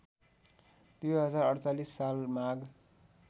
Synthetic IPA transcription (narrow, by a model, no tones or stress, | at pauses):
d̪̥ujɦʌd͡zarʌɽt͡salisːalmaɡ